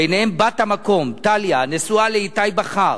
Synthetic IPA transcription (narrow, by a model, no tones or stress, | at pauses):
ejnehembathamako̞mtaljanesualeitajbaχaʁ